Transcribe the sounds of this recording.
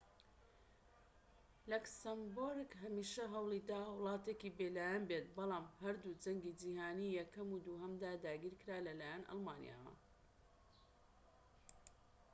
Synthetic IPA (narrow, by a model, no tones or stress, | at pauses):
lɐksɐmboɾɡɦɐmiːʃɐɦɐwlˠid̪aːwlˠɑːt̪ekibelaːjɐnbet̪̚bɑlˠɑːmɦɐɾd̪ud͡ʒɐŋɡid͡ʒihaːniːjɐkɐmuːd̪uɦɐmd̪aːd̪aːɡiːɾkɨɾaːlɐlaːjanɑ̰lˠmaːnḭja̰ːwɐ̰